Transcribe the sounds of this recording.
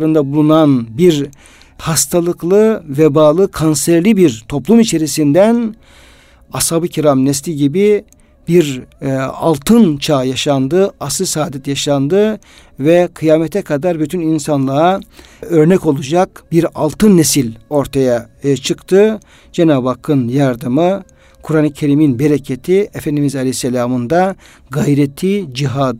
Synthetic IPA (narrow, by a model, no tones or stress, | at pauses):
ɾɯnd̪abulˠunanbiɾ | hast̪ʰalˠɯklˠɯvɛbaːlˠɯkʰansɛɾlʲibiɾt̪ʰo̞plˠumit͡ʃʰe̞ɾisind̪æn | ashabɯcʰiɾamnɛslʲiɟibi | biɾ | a̰lˠt̪ʰɯnt͡ʃʰaːjaʃand̪ɯasɯsaːd̪ɛt̪jaʃand̪ɯ | vɛkʰɯjaːmɛt̪ʰɛkʰad̪aɾbyt̪ʰyninsanlˠa | øɾnɛco̞lˠud͡ʒakbiɾa̰lˠt̪ʰɯnːesilʲo̞ɾt̪ʰajat͡ʃʰɯkt̪ʰɯ | d͡ʒenaːbakʰːɯnjaɾd̪ɯmɯ | kʰuɾaːnɯcʰe̞ɾiminbeɾecʰet̪ʰiefɛnd̪imizalʲɛsːelʲaːmɯnd̪a | ɡajɾet̪ʰːid͡ʒiɦad̪